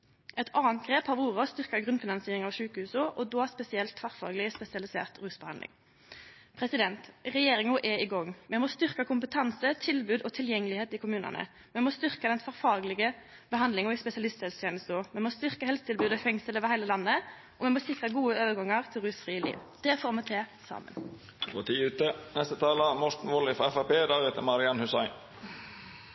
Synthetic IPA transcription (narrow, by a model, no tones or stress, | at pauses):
ʔɛt̪ʰɑːənt̪̚ɡʁeːphɑːʋuːʁəɔst̪ʏʁkəɡʁʉnfɪnɑnsiːʁɪŋɑʋʂʉːkəhʉːsʊʔɔd̪oːspɛsɪɛlt̪fɑʁfɑ̰ːɡəlɪspɛsɪɑlɪsḛːʁt̪ʁʉːsbəhɑ̰nd̪ɪ̰ŋ | pʰʁɛsɪd̪ɛnt̪ʁɛjeːɾɪŋʊʔɛɪɡɔŋːmɛmoːst̪ʏʁkɑkʰʊmpət̪ʰɑnsət̪ʰɪlbʉːd̪ɔt̪ʰɪljɛŋːəlɪheːt̪ɪkʰʊmʉːnɑ̰nə̰ | mɛmoːst̪ʏʁkɑd̪ɛnfɑʁfɑːɡlɪɡə | bəɦɑnd̪lɪŋɔɪspɛsɪɑlɪst̪sɛlst̪ʰjeːnəst̪ɔmɛmoːst̪ʏʁkəhɛlst̪ʰɪlbʉːd̪ɔfɛŋsələʋəhæɪləlɑnːə | ʔɔmɛmoːsɪkʁɑɡuːəøːʋəɾɡɑŋːɑʁt̪ʰɪlʁʉːsfʁiːəlḭːʋd̪̥ɛːfoːʁmɛt̪ʰɛsɑ̰ːmə̰n | fo̰ːt̪ʰiːʉːt̪ənɛst̪ət̪ʰɑːlɑmɔt̪n̩ʋɔlɪfɑɛfɑpeːd̪æɾeːt̪əmɑɾɪɑnhʉsæɪn